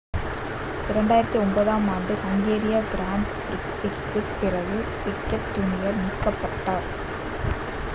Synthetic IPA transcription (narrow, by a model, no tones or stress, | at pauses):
ɪɾɐɳɖaːjɪɾɐt̪ːiɔmbɐðaːmaːɳɖɯkɐŋɡeːɾɪjaːɡɪɾaːɳɖpɾɪksɪkːɯpːɪrɐɣɯ | pɪkːɐʈ̚t̪ːʊɳɪjɐɾniːkːɐpːɐʈːaːɾ